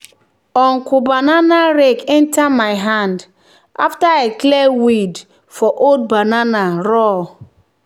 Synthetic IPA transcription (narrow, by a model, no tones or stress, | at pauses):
ɔŋ̩kubananaɾekɛ̃ntʰamajɦand | a̰ftaeklɛwid | fɔʔod̚bananaɾɔ